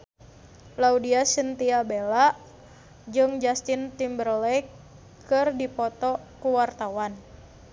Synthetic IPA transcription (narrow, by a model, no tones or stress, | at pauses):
laudiasənt̪iabelaʔ | d͡ʒɨŋd͡ʒast̪ɪnt̪imbərlɛ | kɨrdipɔt̪ɔkuwart̪awan